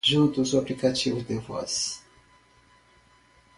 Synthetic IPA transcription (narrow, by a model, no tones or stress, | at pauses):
ʒunt̪usuaplikat͡ʃivud̪evɔ̰s